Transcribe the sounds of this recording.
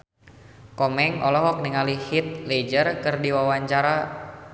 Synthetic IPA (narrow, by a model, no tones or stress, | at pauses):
kɔmɛŋɔlɔɦɔk̚niŋalihit̪̚led͡ʒərkɨrdiwawaɲt͡ʃaɾa